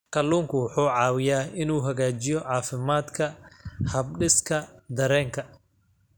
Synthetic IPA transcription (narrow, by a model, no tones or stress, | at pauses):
kʰɐluːŋkʰʊwʊħuːʕɑːwɪjaːɪnuːɦɐɣaːt͡ʃɪjɔʕɑːfɪmaːd̪kʰɐhɐb̚ɖɪskʰɐd̪ɐɾɛːŋkʰɐ